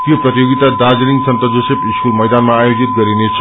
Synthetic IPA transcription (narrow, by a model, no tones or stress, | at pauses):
t̪ijoprʌt̪ijoɡit̪ad̪ad͡ziɾiŋsʌnt̪ʌd͡zosepiskulmʌjd̪anmaːjod͡zit̪̚ɡʌɾinet͡sʰ